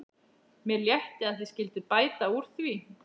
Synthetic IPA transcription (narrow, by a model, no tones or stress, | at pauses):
mjɛɾljɛht̪ɪaðθe̥scɪlt̪ɪpaːjt̪auɾ̥θvi